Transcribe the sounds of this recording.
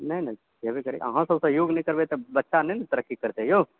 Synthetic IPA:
nɐĩnɐĩ | ɐbikɐɾḛʔɐ̰ɦãsɐsejoːɡnɐĩkɐɾbeːt̪ebɐtːʃanɐinɐt̪ɐɾəkːikɐɾt̪eɦjoː

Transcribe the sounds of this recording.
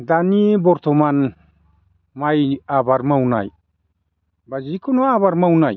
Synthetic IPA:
danibɔɾt̪ʰɔman | majabaɾmawna̰j | bazikʰɔnɔaβaɾmawnaj

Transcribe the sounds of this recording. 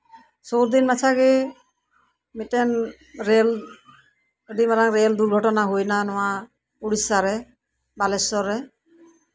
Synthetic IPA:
soɾd̪inmat͡ʃʰaɡe | mitɛn | ɾel | ɖimaɾaŋɾeld̪uɾɡʱɔʈɔnaɦojnanɔwa | uɽisaɾɛ | balɛsɔɾɛ

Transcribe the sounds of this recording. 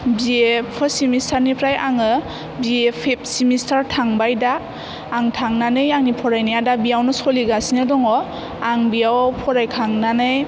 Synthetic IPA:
biepʰɔsimistʰaɾnipʰɾajaŋɯ | biepʰep̚simistʰaɾtʰaŋbajdaː | ŋtʰaŋnanɯjaŋnipʰɔɾajnijadabijawnɯsɔliɡasinɯdɔŋɔ | aŋbijawpʰɔɾajkʰaŋnanɯj

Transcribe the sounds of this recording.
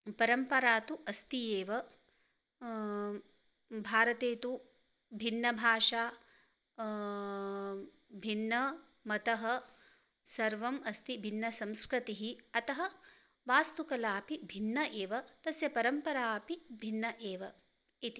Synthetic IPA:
pɐɾɐmpɐɾaːt̪uʔɐst̪ijeːʋɐ | bʱaːɾɐt̪eːt̪u | bʱinːɐbʱaːʃaː | bʱinːɐ | mɐt̪ɐɦɐ | sɐɾʋɐmɐst̪ibʱinːɐsɐ̃mskɾit̪iɦiɐt̪ɐɦɐ | ʋaːst̪ukɐlaːpibʱinːɐʔeːʋɐt̪ɐsjɐpɐɾɐmpɐɾaːpibʱinːɐʔeːʋɐ | it̪i

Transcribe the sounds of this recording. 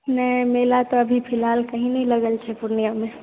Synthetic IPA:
nəimelat̪ɔəbʱipʰilalkəɦĩnɛləɡəlt͡ʃʰɛpuɾnijame

